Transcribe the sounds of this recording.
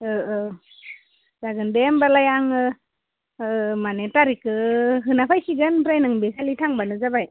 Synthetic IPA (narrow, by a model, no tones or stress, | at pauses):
ɯɯ | zaɡɯndembalajaŋɯ | manetaɾikɯɦɯnapʰajsiɡɯnpɾajnɯŋbikʰalitʰaŋbanɯzabaj